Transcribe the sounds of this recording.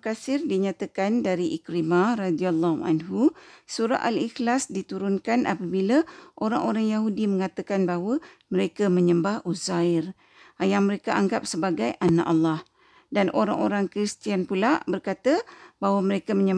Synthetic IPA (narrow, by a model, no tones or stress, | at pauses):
kasɪrdiɲat̪əkandaɾiʔikɾimaradialːaha̰nɦusuɾa̰ʔalixlasdit̪uɾʊnkanʔa̰pəbiləʔoɾaŋʔoɾaŋjaɦudimə̃ŋãt̪əkanbaɦwəməɾekəmə̃ɲəmbahʔuzaɪr | ajaŋməɾekaʔaŋɡap̚səbaɡajʔana̰ʔalːɑh | danoɾaŋoɾaŋkɾist̪ianpulaʔbərkat̪əbaɦwaməɾekəmə̃ɲə